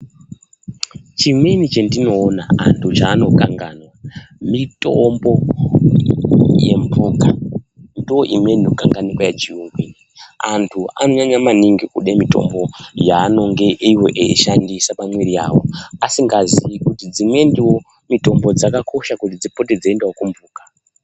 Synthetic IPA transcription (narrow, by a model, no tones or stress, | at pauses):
t͡ʃimwe̞nit͡ʃendino̞ːnaa̰ntʰut͡ʃaːno̞kaŋɡanwamitʼombo̞ | jḛmpʰuːkandiwoʔimweinokaŋɡanikwajet͡ʃiuŋɡwiniantʰua̰no̞ɲaɲamaniŋɡikuɗemito̞̰mbo̞jaːno̞ŋɡe̞ʔiwo̞ʔḛḭʃandisapamwiɾia̰ːwo̞̰asiŋɡaziikutid͡zimwe̞ndiwo̞ | mito̞mbo̞d͡zakako̞ʃakutid͡zipo̞ted͡zaendawokumbuːkḁ